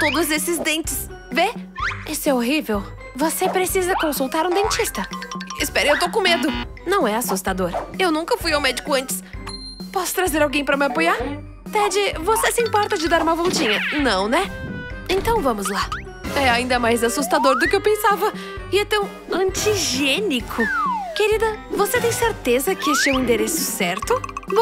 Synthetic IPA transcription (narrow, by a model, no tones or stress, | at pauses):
t̪od̪ʊzesɪzd̪ẽnt͡ʃɪs | veisʊɛoɦivew | vosepɾesizɐkõsut̪aɾũd̪ẽt͡ʃist̪ɐɪspɛɾewt̪owkõmed̪ʊnɐ̃w̃ɛasust̪ad̪oɾewnũkɐfujawmɛd͡ʒikʊɐ̃nt͡ʃɪ̥s | pɔsʊ̥t̪ɾazeɾawɡẽj̃pɾɐmɪapojaɾ | t̪ɛd͡ʒɪvosesɪĩpɔɾt̪ɐd͡ʒɪd̪aɾũmɐvɔwt͡ʃĩɲɐnɐ̃w̃nɛẽnt̪ɐ̃w̃vɐ̃mʊzla | ɛaĩd̪ɐmajzasust̪ad̪oɾd̪ʊkɪewpẽsavɐ | ɪẽnt̪ɐ̃w̃ | ɐ̃t͡ʃiʒenikʰʊkeɾid̪ɐvoset̪ẽj̃seɾt̪ezɐkɪest͡ʃewĩnd̪eɾesʊ̥sɛɾt̪ʊv